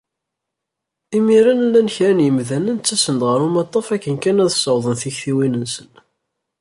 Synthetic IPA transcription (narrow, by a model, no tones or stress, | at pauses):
imiɾænlːænçɾænjəmðænænt͡sːæsənd̪ʁəɾumɑt̪ˤːɑfækːənkænæðsˤəwðˤənθiçθiwinənsən